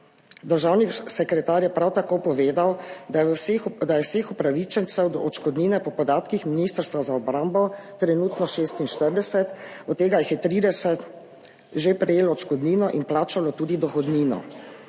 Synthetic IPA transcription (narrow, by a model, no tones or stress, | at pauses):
d̪əɾʒaːwnisɛkɾɛt̪aːɾjɛpɾawt̪akopɔʋeːd̪awd̪d̪ajɛwseːxɔpɾaʋit͡ʃɛnt̪sɛwd̪ɔʔɔt͡ʃkɔd̪niːnɛpɔpɔd̪aːt̪kixminist̪əɾst̪ʋazaɔbɾambɔt̪ɾɛnuːt̪nɔʃeːst̪inʃt̪əɾd̪ɛsɛt̪ɔt̪ːeːɡajixjɛt̪ɾiːd̪ɛsɛt̪ | ʒepɾɛjeːlɔt͡ʃkɔd̪niːnɔʔinplaːt͡ʃalɔt̪uːd̪id̪ɔxɔd̪niːnɔ̰